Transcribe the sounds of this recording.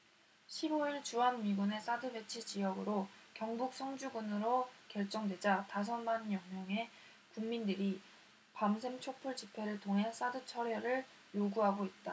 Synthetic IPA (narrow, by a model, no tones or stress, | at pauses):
ɕʰiboiɭt͡ɕuɦanmiɡune̞s͈adɯbe̞t͡ɕʰid͡ʑijʌɡɯɾokjʌŋbuk̚s͈ʰʌŋd͡ʑuɡunɯɾokjʌɭt͡ɕ͈ʌŋdwe̞d͡ʑatas̬ʰʌnbanjʌŋmjʌŋe̞ | kuŋːindɯɾi | pamsʰe̞mt͡ɕʰok̚pʰuɭt͡ɕipʰe̞ɾɯɭtʰoŋɦe̞s͈adɯt͡ɕʰʌɾeɾɯɭ | joɡuɦaɡoit̚t͈a